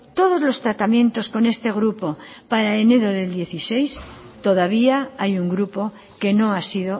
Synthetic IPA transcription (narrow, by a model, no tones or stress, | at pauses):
t̪o̞ð̞o̞zlo̞st̪ɾat̪amjent̪o̞sko̞ne̞st̪e̞ɣ̞ɾupo̞paɾaene̞ðoðe̞ld̪je̞θise̞jst̪o̞ðaβiaajuŋɡɾupo̞ | ke̞no̞asiðo